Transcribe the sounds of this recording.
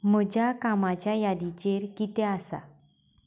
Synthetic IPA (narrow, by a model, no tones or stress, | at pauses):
m̤əd͡ʑjakamat͡ɕjajad̪it͡ɕeɾkit̪easa̰